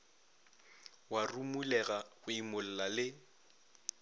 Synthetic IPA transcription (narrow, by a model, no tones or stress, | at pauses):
warumulɛɣaɣʊimʊl̩lalɪ